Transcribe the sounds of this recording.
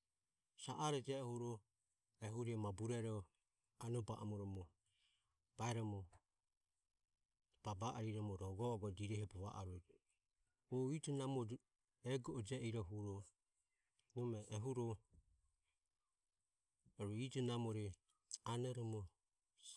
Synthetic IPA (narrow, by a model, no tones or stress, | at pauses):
saʔaɾɛd͡ʒɛhuɾɔ | ɛɦuɾiɔmabuɾɛɾɔ | anɔbaʔamɔɾɔmɔ | b̥aɛɾɔmɔ | b̥abaʔaɾiɾɔmɔɾɔɔɡɔɔɡɔd͡ʒiɾɛhɛbɔβaʔa̰ɾud͡ʒ | ɔitɔnamɔ | ɛɡɔʔɔd͡ʒɛʔiɾɔɦuɾɔ | nɔmɛʔːɦuɾɔ | ɾuid͡ʒɔnamɔɾi | anɛɾɔmɔ